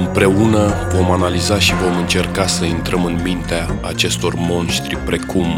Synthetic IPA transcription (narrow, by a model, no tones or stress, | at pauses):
ɨmpɾe̞unəvo̞manalizaʃivo̞mɨnt͡ʃe̞rkasəint̪ɾəmɨnmint̪eaːt͡ʃe̞st̪o̞rmo̞nʃt̪ɾʲipɾe̞kum